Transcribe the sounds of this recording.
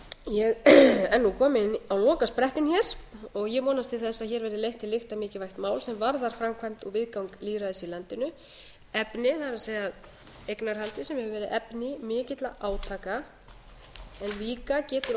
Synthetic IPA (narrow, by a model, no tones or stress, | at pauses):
jɛɣɛnːukʰɔːmɪnawlɔːkaspɾɛht̪ɪnçɛɾ̥ɔɣjɛmɔːnast̪ɪlθɛsːaðçɛːɾvɛɾðɪlejht̪ɪlɪxt̪amɪːcɪvajht̪maːwlsɛmvaɾðaɾ̥fɾamkʰvajm̥t̪ɔɣvɪðkawŋkliːɾaðɛsilant̪ɪnʏ | ɛpnɪθaðɪɾaseːjað | ejknaɾ̥halt̪ɪsɛmhɛhɛvʏvɛːɾɪʔɛpnɪmɪːcɪt̪laʔaːwt̪ʰaːka | ɛnliːkacɛːt̪ʏɾ